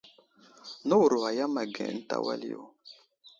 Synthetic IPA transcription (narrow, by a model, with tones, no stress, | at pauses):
no˦wu˨ɾo˨a˨ja˦ma˨ɡɛ̰̃˨˦n̩˦ta̰˨wa̰˦li˦o̰˨